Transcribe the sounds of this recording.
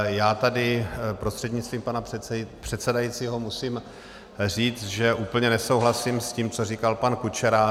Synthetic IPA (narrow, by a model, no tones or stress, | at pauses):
jaːt̪adɪpɾo̞st̪r̝̥ɛd̪ɲɪt͡st̪viːmpanapr̥ɛt̪sɛdajit͡siːɦo̞musim | riːt͡sʒɛʔuːpl̩ɲɛnɛso̞wɦlasimsciːmt͡sorikalpankut͡ʃɛɾa